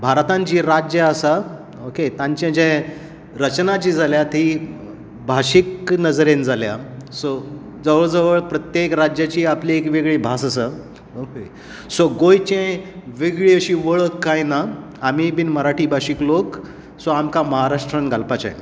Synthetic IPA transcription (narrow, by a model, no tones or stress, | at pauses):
bʱaɾt̪ãɲt͡ɕiːɾad͡ʑjəəsa | oket̪ãɲt͡ɕẽd͡ʑɛ̃ | ɾət͡ɕnat͡ɕiːd͡zʱaljat̪i | bʱaɕiknəd͡zɾend͡zʱalja̰so | d͡zəʋəɭd͡zəʋəɭpɾət̪jekɾad͡ʑjat͡ɕiːapliekʋeɡɭibʱasəsa | oke | soɡojt͡ɕẽʋeɡɭiəɕiʋəɭəkːajnaː | mibiːnməɾaʈʰiːbʱaɕiklok | soamkaməɦaɾaʂʈɾənɡʱalpat͡ɕa̰j